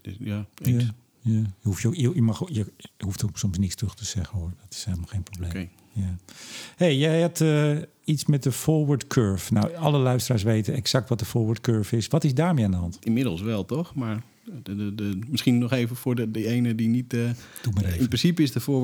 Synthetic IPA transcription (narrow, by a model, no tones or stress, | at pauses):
jaa | jajəhufjojəjəmɑxjəhuftʰoksɔmsnɪtstrøxtəz̥ɛɣənordɔtɪ̥shɛlˠmlˠxeːnprobleː | jahejjɛjɛtə | itsmɛt̚dəfoːɹʋəɹtkʰøɹfnawɑləlœɥstəraːɹs̬ʋejtənɛksak̚tʋɔt̚dəfoːɹʋəɹtkøːɹfɪsʋɔtɪsdaːɹmeandəɦɑntinmɪdəl̩ˠsʋɛlˠtɔxmaɹ | mɪsχinːɔxeːvəfʊːdəejnədinit | d̥utməreːnpɪnsipəɪsdəfoː